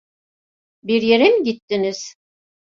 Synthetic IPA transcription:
biɾje̞ɾimiɟit̪ːiniz̥

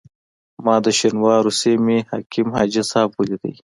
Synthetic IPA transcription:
mɑːd̪əʃinwɑːɾusemeha̰ːkimhɑːd͡ʒɐsaːbulid̪ə̰j

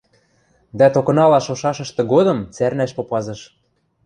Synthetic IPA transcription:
d̪æt̪okɤ̆nɑlɑʃoʃɑʃɤ̆ʃt̪ɤ̆ɡod̪ɤ̆mt͡særnæʃpopɑzɤ̆ʃ

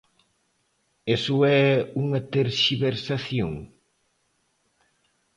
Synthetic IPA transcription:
esʊɛuŋɐt̪eɾʃiβeɾsaθjoŋ

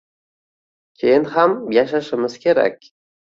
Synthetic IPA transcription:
kʲʰejɪnhamjaʃaʃɪmɪz̥kʲʰe̞ɾa̰kʲ

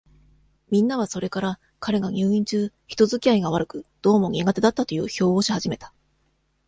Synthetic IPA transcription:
mʲĩnːaβ̞aso̞ɾe̞kaɾa | kaɾe̞ɡaɲʲɨːĩɲ̟t͡ɕɨː | çi̥t̪o̞zɨkʲiaiɡaβ̞aɾɯ̟kɯ̟d̪̥o̞ːmo̞ɲʲiɡat̪e̞d̪at̪ːat̪o̞jɯ̟̰ːço̞ːo̞ːɕihaʑime̞t̪ḁ

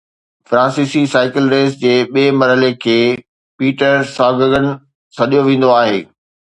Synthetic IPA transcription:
fɾãːnsiːsisaːɪkɪlɾeːsd͡ʑeːɓieːmɐɾɦəlekʰeː | piːʈəɾsaːɡəɡənɪ̆ | sɐɗijoʋẽːn̆d̪oaːɦḛː

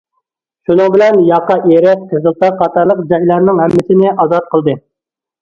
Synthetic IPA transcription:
ʃunʊŋbɪlɛnjɑqːɑʔeɾɪk̚kʰəzɨlˠt̪ɑqʰːɑt̪ɑɾlˠəqd͡ʒɑjlˠɑɾnɪŋɦɛmːɪsɪnɪʔɑzɑt̪̚qʰəlˠd̪ɨ

